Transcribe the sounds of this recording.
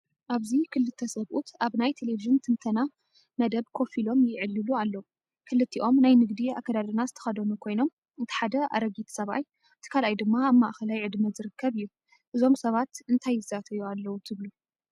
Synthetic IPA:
ʔaβzikʰɨlːɨt̪ʰːɐsɐβʔut̪ʰʔaβnajt̪ʰeleviʒɨnt̪ʰɨnt̪ʰɐna | mɐd̪ɐβkʰo̞filo̞mjɪʕɨlːɨlualːɐwu | kʰɨlɨt̪ʰːiʔo̞mnajnɨɡd̪ia̰kːɐd̪ad̪ɨnazɨt̪ʰɐ̥xɐd̪ɐnukʰo̞jno̞m | ɨt̪ʰi̥ħad̪ɐa̰ɾɐɡit̪ʰsɐβa̰j | ɨt̪ʰi̥kʰalʔajd̪ɨmːaaβmaʔxɐlajʕɨd̪mɐzɨɾɨkʰːɐβɨjːu | ʔɨzo̞msɐβat̪ɨnt̪ʰajːɨzat̪ʰɐjualːɐwut̪ʰɨβlu

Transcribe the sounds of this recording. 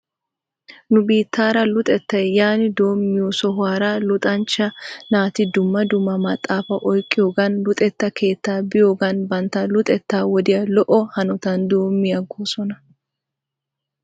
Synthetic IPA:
nʊbiːt̪ːaːɾɐlʊt̪ʼɛt̪ːɐjjaːnɪd̪o̞ːmːɪjɔsɔɦaːɾɐlʊt̪ʼɐnt͡ʃːɐnaːt̪ɪd̪ʊmːɐd̪ʊmːɐmɐt̪ʼːaːfɐʔɔjkʼːɪjoːɡɐnlʊt̪ʼɛt̪ːɐkʰe̞ːt̪ːaːbɪjo̞ːɡɐnbɐnt̪ːɐlʊt̪ʼɛt̪ːaːwɔd̪ɪjɐlɔʔɔhɐnɔt̪ɐnd̪o̞ːmːɪjɐɡoːsɔnɐ

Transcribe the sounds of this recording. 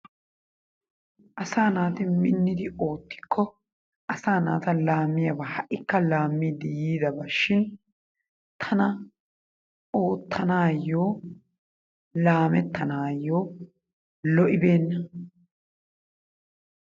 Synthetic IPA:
ʔɐsaːnaːt̪ɪmɪnːɪd̪ɪo̞ːt̪ːɪ̥kʰːɔ | ʔɐsaːna̰ːt̪ɐlaːmːɪjɐbɐhɐʔɪkːɐlaːmːid̪ɪjiːd̪ɐbɐʃːɪn | t̪ʰɐnɐ | o̞ːt̪ʰːɐnaːjːo̞ː | laːmɛt̪ːɐnaːjːoː | lɔʔɪbe̞ːnːɐ

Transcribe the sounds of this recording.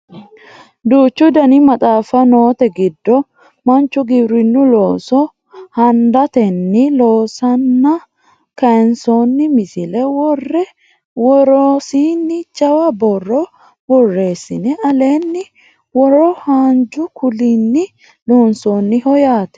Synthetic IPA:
d̪uːt͡ʃːʊd̪ɐnɪmɐt̪ʼaːfɐno̞ːt̪ɛɡɪd̪ːɔ | mɐnt͡ʃːʊɡɪbɾɪnːʊlo̞ːsɔ | hɐnd̪ɐt̪ɛnːɪlo̞ːsɐnːɐ | kɐɛnsoːnːɪmɪsɪlɛwɔrːɛ | wɔɾosiːnːɪt͡ʃʼɐwɐbɔrːɔ | wɔrːe̞ːsːɪnɛʔɐle̞ːnːɪ | wɔɾɔhaːnd͡ʒʊkʰʊlɪnːɪ | loːnsoːnːɪhɔjaːt̪ɛ̥

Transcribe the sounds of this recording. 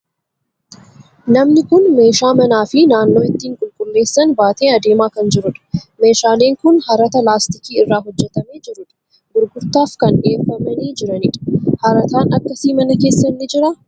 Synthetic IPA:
nɐmnɪkʊnme̞ːʃaːmɐnaːfɪnaːnːo̞ːɪt̪ːiːŋkʼʊlkʼʊlːe̞ːsːɐnbaːt̪e̞ːɐd̪e̞ːmaːkɐnd͡ʒɪɾʊᶑɐ̥me̞ːʃaːleːŋkʊnhɐɾɐt̪ɐlaːst̪ɪkiːɪrːaːɦɔd͡ʒːɛt̪ɐme̞ːd͡ʒɪɾʊᶑɐ̥ | ɡʊɾɡʊɾt̪aːfkɐnʔɪeːfːɐmɐniːd͡ʒɪɾɐnɪᶑɐ̥hɐɾɐt̪aːnɐkːɐsiːmɐnɐke̞ːsːɐnːɪd͡ʒɪɾɐ

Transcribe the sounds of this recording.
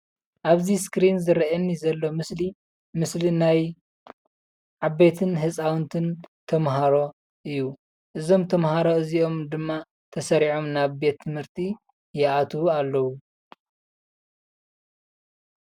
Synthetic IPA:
ʔaβziskɾinzɨɾɐɐnːizɐlːo̞mɨsli | mɨslinaj | ʕaβe̞t̪ʰɨnɦɨsʼawnt̪ʰɨnt̪ʰɐmɦaɾo̞ | ʔɨjːu | ʔɨzo̞mt̪ʰɐmhaɾo̞ɨziʔo̞md̪ɨmːa | t̪ʰɐsɐɾiʕo̞mnaβbe̞t̪ʰːɨmhɨɾt̪ʰi | jɛʔat̪ʰalːɐwu

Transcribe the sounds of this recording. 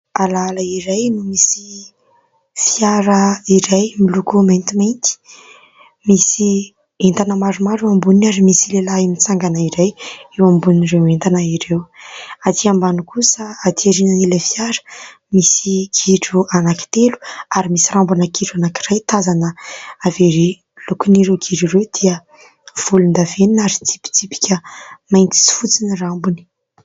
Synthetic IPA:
alalaiɾajnumisi | fiaɾəiɾajmilukument̪iment̪i̥ | misi | ent̪anəmaɾumaɾewambunaɾimisilelaimit͡saŋɡanaiɾajewambuniiɾewent̪anəiɾewat̪ʰiambanukusəat̪iaɾinanilafiaɾə̥ | misikʰiʈ͡ʂuanaki̥t̪elu̥aɾimisirambunəkiʈ͡ʂanakirajt̪azanəːveɾi | lukuniɾewɡʰiɾirewd̪̥iə | v̥ulund̪aveninaɾit̪ʰi̥pi̥t̪ʰipi̥kʲəmajnt̪i̥t͡si̥fut͡sinirambuni̥

